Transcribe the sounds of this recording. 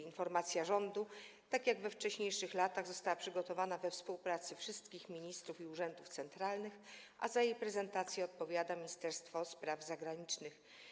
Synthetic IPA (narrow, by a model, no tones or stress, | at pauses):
infɔɾmat̪sʲjaʐɔnd̪ut̪akʲjaɡvɛft͡ʂɛɕɲejʂɘxlat̪aɣzɔst̪awapʂɘɡɔt̪ɔvanavɛfspuwpɾat̪sɘfʂɘst̪kʲixmʲiɲist̪ɾufiuʐɛnd̪uft̪sɛnt̪ɾalnɘx | ʔa̰zajejpɾɛzɛnt̪at̪sʲjɛɔt̪̚pɔvʲjad̪amʲiɲist̪ɛɾst̪fɔspɾavzaɡɾaɲit͡ʂnɘx